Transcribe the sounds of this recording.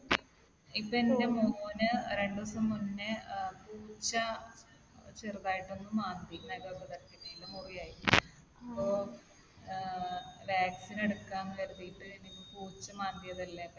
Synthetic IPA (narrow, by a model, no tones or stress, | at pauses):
ipːoende̞muːnɨɾe̞ɳɖɨɐsɐmːunːɨpuːt͡ɕːɐ | t͡ɕerðaːjiʈːo̞nːɨmaːnd̪inɐikɐbɐk̪ɐɾɐkːitːejilumurijaːji | ɐpːo̞ː | ʋjaːksineɽukːaːmkɐɾuðijiʈːɨenikʲːupuːt͡ɕːɐmaːnd̪ijɐðɐlːepːɐ